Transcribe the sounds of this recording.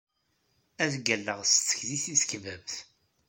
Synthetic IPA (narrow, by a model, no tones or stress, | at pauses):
æðɡælːəʁst̪t͡sːə̥çðiθiskvævθ